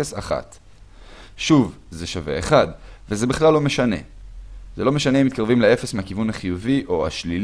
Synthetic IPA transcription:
esaχa̰t̪ | ʃuv | zeʃavḛeχad̪vezebiχlalːo̞meʃane̞̰zelo̞me̞ʃaneimit̪kaʁvimlee̞fe̞smeakivunhaχijuviʔo̞a̰ʃlil

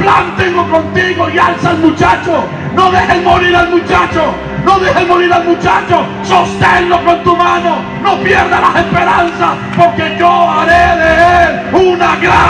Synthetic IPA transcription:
plant̪enokont̪iɣoialsalmut͡ʃat͡ʃo | noðexemoɾiɾalmut͡ʃat͡ʃo | noðexemoɾiɾalmut͡ʃat͡ʃo | sost̪enlokont̪umano | nopjeɾðalasespeɾansa | poɾkeʝoaɾeðeel | unaɣɾa

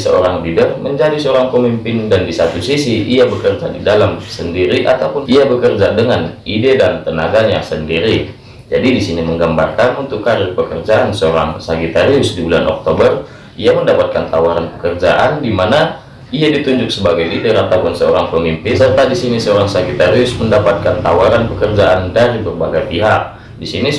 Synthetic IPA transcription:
səo̰ɾaŋlidərməɲd͡ʒadisəoɾaŋpəmimpɪndandisat̪usisiʔiabəkərd͡ʒadidalamsəndiɾiʔat̪awpʊniabəkərd͡ʒadəŋanidedant̪ənaɡaɲasəndiɾi | d͡ʒadidisiniməŋɡamba̰rkanunt̪ʊkːaɾərpəkərd͡ʒaʔansəoɾa̰ŋsaɡit̪aɾiʊsdibulanʔɔ̰k̚t̪obər | iaməndapat̪̚kant̪awaɾanpə̥kərd͡ʒaʔandimana | iadit̪uɲd͡ʒʊk̚səbaɡajdideɾat̪apʊnsəoɾaŋpəmimpɪsərt̪adisinisəoɾaŋsaɡit̪aɾiʊsməndapat̪̚kant̪awaɾanpəkərd͡ʒaʔandaɾibərbaɡajpiɦak̚ | disini

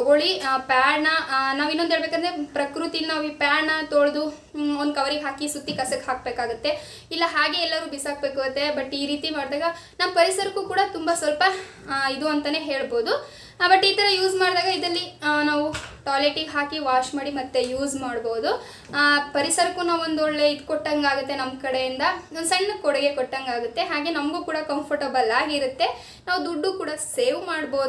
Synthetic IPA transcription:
ɔɡoɭipaːɾnɐnaːʋinːonʱeːɭbekaːnd̪ɾepɾɐkɾut̪ilnaːʋipaːɾnɐt̪oɭd̪u | ond̪̚kɐʋɐɾiɡɦaːkisut̪ːikɐsɐkɦaːk̚beːkaːɡut̪ːe̞ | ilːɐɦaːɡe̞ɛlːɐɾuːbisaːk̚beːkaːɡɐt̪ːe̞bɐʈːiːɾiːt̪imaːɽd̪aːɡɐ | nɐʋpɐɾisɐɾɐkuːkuːɽɐt̪umbɐsʋɐlpɐ | id̪uɐnt̪ɐne̞ːɦe̞ːɭboːd̪u | bɐʈːiːt̪ɐɾɐjuːzmaːɽd̪aːɡɐid̪ɐlːinaːʋuʈaːleʈiɡɦaːkiʋaːʃmaːɽimɐt̪ːejuːzmaːɽbo̞ːd̪u | pɐɾisɐɾɐkːuːnaːʋond̪ɔɭːe̞id̪kɔʈːɐŋɡaːɡut̪ːe̞nɐmkɐɽe̞jind̪ɐonsɐɳːɐkɔɽɐɡe̞kɔʈːɐŋɡaːɡut̪ːe̞ɦaːɡe̞ːnɐmɐɡuːkuːɽɐkɐmpʰɐɾʈɐbɐlːaːɡiɾut̪ːe̞ | naːʋud̪uɖːuːkuːɽɐseːʋmaːɽboːd̪

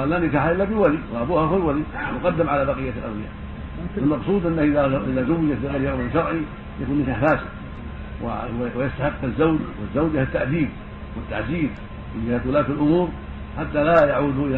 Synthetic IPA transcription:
alːaːnɪkaħaʔɪlːabɪwaliwaʔabuːhaxʊlwalimʊqɑd̪ːɪmʕalabaqɪjːalʔawlɪja̰ | almɑqsˤuːd̪ʔanːaʔɪaʔɪðazʊwːɪjat̪bɪɣajljaʔmʃɑɾˤʕi | jakuːnːɪkaħfaːsa | w̰wjast̪aħɪqːazːawd͡ʒwɪzːawd͡ʒhat̪ːaʕʔdiːb | wɪt̪ːa̰ʕziːb | mɪnd͡ʒɪhaːt̪wʊlaːt̪alʔʊmuːɾ | ħat̪ːalajaʕuːd̪ʔɪ

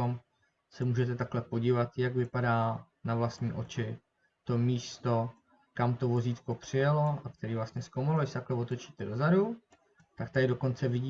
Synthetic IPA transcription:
om | sɛmuːʒɛt̪ɛt̪aklɛpo̞ɟiːvat̪jaɡvɪpadaː | navlast̪ɲiːʔo̞t͡ʃɪ | t̪o̞miːst̪o̞ | kamt̪o̞vo̞ziːt̪ko̞pr̝̥ɪjalo̞ʔak̚t̪ɛɾiːvlast̪ɲɛskowmaloɪʃsɛt̪aklɛvo̞t̪o̞t͡ʃiːt̪ɛdo̞zadu | t̪ak̚t̪adɪdoko̞nt͡sɛvɪɟiː

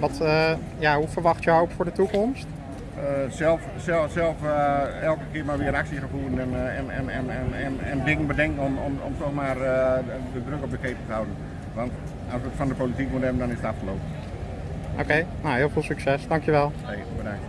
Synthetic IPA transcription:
ʋɔtə | jaɦufəɹʋɑxtjəhoːpfʊːɹdətukɔmst | əsɛlˠfsɛlˠsɛlˠfɛlˠkəkɪəɹmaʋɪəɾaksəxəfuərn̩ɛnɛnɛnɛnɛɛnɛ̰ndɪŋən̩bədɛŋkn̩omɔmɔ̰mtɔxmaːr | dədrøkɔp̚dəkʰeːpətəɦawdən̩ | ʋɔnt | ɔsʋətfɔndəpolitik̚mutɛbən̩dɔnɪsətaffəloːpə | ʔo̰kejnawɦɪːlˠfɪːlˠsyksɛsdɑŋkjəʋɛlˠ | e | bədaŋt

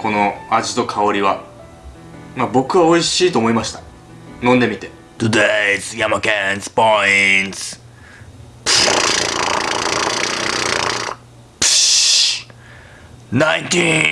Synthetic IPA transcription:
kʰo̞no̞aʑit̪o̞kʰaoɾʲiβa | mabo̞kɯ̟βao̞iɕiːt̪o̞ːmo̞imaɕi̥t̪ḁ | nõ̞nd̪e̞mʲit̪e̞ | d̪̥ud̪ez̥jamakɛnspoins | p | nãntĩ

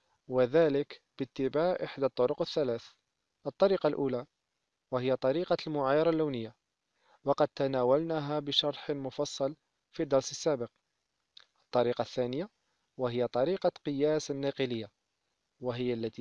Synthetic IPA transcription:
wəðæːləkb̥ət̪ːəbaʕʔəħd̪at̪ˤːʊɾʊqəθːælæːθ | ʔət̪ˤːɑɾiːqɑlʔuːla | wəhəjːat̪ˤɑɾiːqɑlmʊʕajɑɾˤɑlːawnəjːa | wɑqɑd̪̚t̪anæwælnaɦabəʃɑɾˤħmʊfɑsˤːɑl | fid̪ːɑɾˤsəsːæbəq | ʔət̪ˤːɑɾiqɑθːænəja | wəɦəjːat̪ˤɑɾiːqɑqəjæsənːɑqələjːa | wəɦəjːalːæt̪i

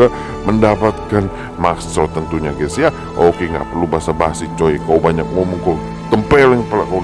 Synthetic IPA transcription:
a | məndapat̪̚kan | mast̪ɾɔt̪ənt̪uɲakɛsia | ʔokeŋɡa̰ʔpərlubaasabaɦasit͡ʃojɛkawbaɲak̚momənkaw | t̪əmpɛlɛŋpəlaka

